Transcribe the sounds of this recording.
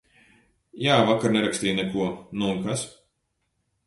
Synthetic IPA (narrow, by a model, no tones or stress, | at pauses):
jaːvakaɾnɛɾakst̪ʲiːjnɛkuɔnuuŋkas